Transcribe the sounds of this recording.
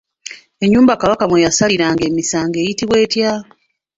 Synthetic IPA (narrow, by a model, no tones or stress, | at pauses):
e̞ɲːuːmbakaβakamwejasaliɾaːŋɡe̞ːmisaːŋɡe̞ːjitiβwe̞ːtja